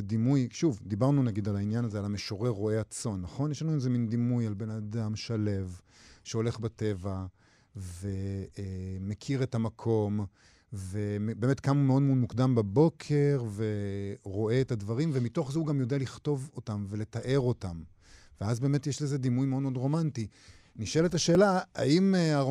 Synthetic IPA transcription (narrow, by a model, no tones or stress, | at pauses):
ed̪imujʃuvd̪ibaʁnunaɡidalainjanazealameʃo̞ʁeʁo̞eat͡so̞nːaχo̞njeʃlanuezemind̪imujalbe̞nadamʃale̞v | ʃeo̞le̞χbate̞va | ve̞ | mekʰiʁe̞tamakʰo̞m | vembeːme̞tkamumeo̞dmeodmukdambabo̞kʰe̞ʁveʁo̞e̞ːtadvaʁimvemito̞χzeuɡamjo̞dealiχto̞vo̞tamve̞le̞taʔe̞ʁo̞tam | veazbe̞ːme̞tjeʃlezed̪imujmeo̞d̪meodʁo̞manti | niʃeletaʃe̞ːlaa̰ima